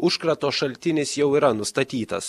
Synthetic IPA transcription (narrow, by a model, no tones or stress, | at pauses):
ʊʃkɾɐt̪oːʃɐlʲt̪ʲɪnʲɪsjɛʊiːɾɐnʊst̪ɐt̪ʲiːt̪ɐ̰s